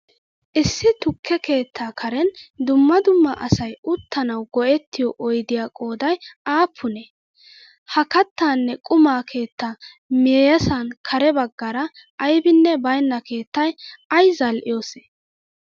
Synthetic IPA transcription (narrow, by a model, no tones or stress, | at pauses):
ʔɪsːɪt̪ʊkʰːɛke̞ːt̪ʰːaːkʰɐɾɛnd̪ʊmːɐd̪ʊmːɐʔɐsɐjʊt̪ʰːɐnɐwɡɔʔɛt̪ːɪjɔʔɔjd̪ɪjaːkʼo̞ːd̪ɐjaːpʰːʊne | hɐkɐt̪ːaːnːɛkʼʊmaːkʰe̞ːt̪ːaː | meːjɐsankʰɐɾɛbɐɡːɐɾɐʔːjbɪnːɛbɐjnːɐke̞ːt̪ːɐjɐjzɐlʔɪ̰jo̞ːse̥